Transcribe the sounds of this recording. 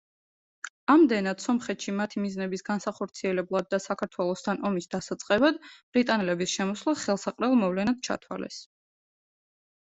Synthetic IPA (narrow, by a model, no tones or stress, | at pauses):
amd̪ɛnad̪̥sɔmχɛt̪ʃimat̪ʰimiznɛbisɡansaχɔɾt̪sʰiɛlɛblˠad̪̚ːasakʰaɾt̪ʰwɛlˠɔst̪ʰanʔɔmisd̪asat̪sʼqʼɛbad̪b̥ɾit̪ʼanɛlɛbisʃɛmɔslˠaχɛlˠsaqʼɾɛlˠmɔvlɛnad̪̥̚t͡ʃʰa̰t̪ʰwa̰lɛ̰s